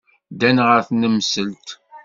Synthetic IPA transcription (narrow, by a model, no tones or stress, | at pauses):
d̪ænʁəɾθnəmsəlt̪